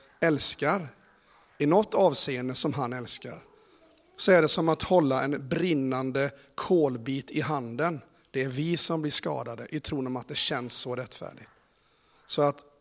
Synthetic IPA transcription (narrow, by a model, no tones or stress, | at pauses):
ɛlskaɾ | ɪnɔt̪ːɑːvseːənd̪əsɔmɦanɛlska̰ɾ | sɔæɖɛsɔmat̪hɔlːaɛnbɾɪnːand̪ə | kʰoːlbiːt̪ʰɪɦand̪ən | d̪̥ɛæɾvɪsɔmblɪʂkɑ̰ːd̪ad̪əʔɪt̪ʰɾuːnɔmat̪̚d̪ɛɕɛnsːɔɾɛt̪ːfæ̰ːɖɪɡt̪ | sɔat̪